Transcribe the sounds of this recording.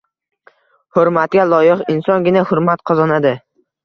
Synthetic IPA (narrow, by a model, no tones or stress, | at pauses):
hʊɾmat̪̚ɡʲalˠɒjɪqɪnsɒnɡʲɪnahʊɾmat̪qʰɒzɒnad̪ɪ